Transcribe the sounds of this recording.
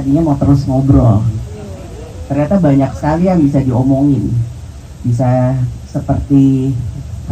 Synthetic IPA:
adiɲamat̪əɾʊsŋobɾɔ | t̪ərɲat̪abaɲaksə̥kalijaŋbisadiomoŋɪn | b̥is̬asəpərt̪i

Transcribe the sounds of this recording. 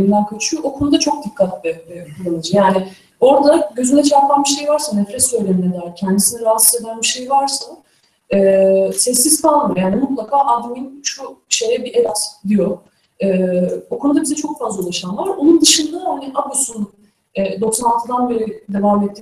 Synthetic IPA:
ind̪ænkʰøt͡ʃʰyʔokʰonud̪at͡ʃʰo̞k̚d̪ikʰːat̪lɛkʰulˠanˠɯd͡ʒɯjaːnɪ | o̞ɾd̪aɟø̞zynɛt͡ʃʰaɾpʰanbiʃe̞jvaɾsanɛfɾɛsːø̞jlʲeminɛd̪æɾcʰænd̪isinɛɾaɦat̪sɯze̞d̪ænbiʃe̞jvaɾsa | ɛːsɛsːizt̪ʰanˠmjaːnimut̪lˠakʰaːʔad̪ɯminʃuʃe̞jɛbiʔed̪at̪d̪ijo | ɛːokʰonud̪abizɛt͡ʃʰo̞kfazlˠaolˠaʃanlˠaɾo̞nund̪ɯʃɯnd̪ahaniʔabosun | ɛːd̪oksnanˠt̪ʰɯd̪anbe̞ɾid̪e̞vaːmet̪ːi

